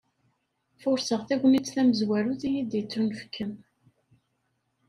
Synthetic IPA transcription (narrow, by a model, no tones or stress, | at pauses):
fʊɾsəʁθæʝʷmit͡sːθæməzwæɾuθijid̪jət͡sːɾunfə̥kʰːəm